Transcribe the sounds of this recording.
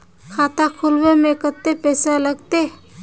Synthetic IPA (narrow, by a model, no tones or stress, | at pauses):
kʰaːt̪akʰʊlwemẽkət̪ːepɛːsaləɡt̪e